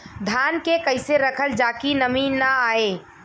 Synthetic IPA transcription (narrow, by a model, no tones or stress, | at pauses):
d̪ʱankekəɪseɾəkʰəld͡ʒakinəminːaae